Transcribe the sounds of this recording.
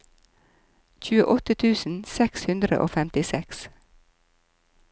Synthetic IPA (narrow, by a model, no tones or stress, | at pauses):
çʉːəʔɔt̪ət̪ʰʉːsn̩sɛkshʉnd̪ɾə̰ʔo̰ːfɛmt̪ɪsɛks